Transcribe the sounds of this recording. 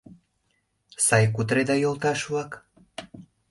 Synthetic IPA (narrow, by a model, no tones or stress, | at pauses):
sɑjkut̪ɾed̪ɑjolˠt̪ɑʃuwɑk